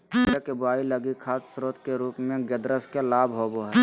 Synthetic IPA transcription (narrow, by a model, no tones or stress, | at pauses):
ekebʊaːiləɡikʰaːssɾoːt̪ʰkeɾuːpmẽɡəd̪ɾəskelaːbɦoboɦɛ